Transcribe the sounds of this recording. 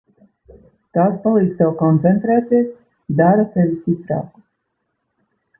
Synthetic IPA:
t̪aːspalˠiːk̪st̪ɛwkɔnt̪sɛnt̪ɾɛːt̪iɛs | d̪aɾat̪ɛvʲist̪ʲipɾa̰ːku̥

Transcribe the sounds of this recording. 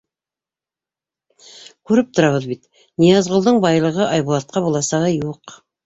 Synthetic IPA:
kʉɾɘp̚t̪ʰŏɾɑβɤðbit̪ | nijɑzʁŏlˠd̪ɤɴbɑjlˠɤʁɤʔɑjbulˠɑt̪̚qɑbulˠɑsɑʁəjuq

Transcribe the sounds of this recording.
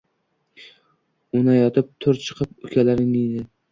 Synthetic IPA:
ʊnajɒt̪ʰɪp̚t̪ʰʊɾt͡ʃʰɨ̥qʰɨpʊkʲʰalaɾɪnɪjd̪ɪ

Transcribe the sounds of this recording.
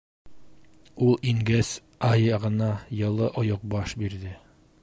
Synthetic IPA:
ulˠiŋɡæs | ɑjɤʁɤ̆nɑjɤ̆lˠɤʔŏjoq̚bɑʃbiɾðɘ

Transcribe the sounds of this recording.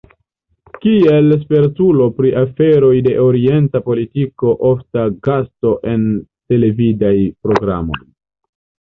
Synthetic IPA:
kie̞ls̬pe̞ɾtulo̞pɾiʔafe̞ɾo̞jde̞ʔoɾie̞ntapo̞litiko̞ʔo̞ftaɡasto̞ʔe̞nte̞le̞vidajpɾo̞ɡɾa̰mo̞̰j

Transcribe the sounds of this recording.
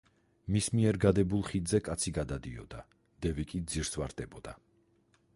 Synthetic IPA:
mismiɛɾɡad̪ɛbulˠχid̪zɛkʼat̪sʰiɡad̪ad̪iɔ̰d̪a | d̪̥ɛvikʼid̪ziɾsvaɾd̪ɛbɔd̪a

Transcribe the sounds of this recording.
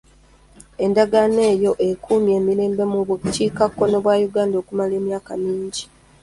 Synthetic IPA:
e̞ndaɡane̞ːjo̞ʔe̞kʰumje̞ːmiɾe̞ːmbe̞muβuciːkakːo̞no̞βwaːjuɡaːndoːkumale̞ːmjaːkamiːɲɟi

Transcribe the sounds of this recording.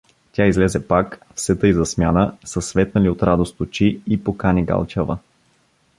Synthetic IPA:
t̪ʲaizlɛzɛpakfsɛt̪əizɐsmʲjanəsəsvɛt̪nəliot̪ɾad̪ost̪ot͡ʃiipokanʲiɡa̰lˠt͡ʃɛvə̰

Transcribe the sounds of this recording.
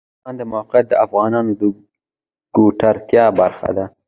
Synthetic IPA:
ɑnd̪əmawqjat̪̚d̪əafɣɑnɑnod̪ə | ɡ̥oʈaɾt̪jɑbaɾxa̰d̪a

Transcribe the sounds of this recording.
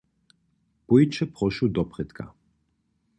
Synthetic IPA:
pɔjt͡ʃɛpʁɔʃud̪ɔpʁɛt̪kʰa̰

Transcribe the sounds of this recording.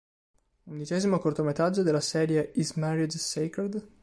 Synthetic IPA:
und̪it͡ʃɛːzimokort̪omet̪ɾad͡ʒːod̪elːasɛːɾjeismɛɾid͡ʒseked̪

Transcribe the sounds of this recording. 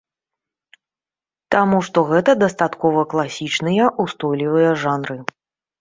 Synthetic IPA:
t̪amuʂt̪ɔɣɛt̪ɐd̪ɐst̪at̪kɔvɐklˠasʲit͡ʂnɨjɐʔust̪ɔjlʲivɨjɐʐanɾɨ

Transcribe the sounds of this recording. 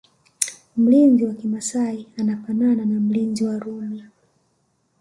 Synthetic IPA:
m̩linziwakimasaianafanananam̩linziwaɾumia

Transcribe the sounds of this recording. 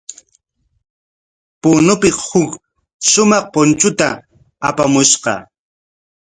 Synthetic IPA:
pʊnʊpɪhʊk | ʃʊmɑχpont͡ʃʊt̪a | apamʊʃqɑ̰

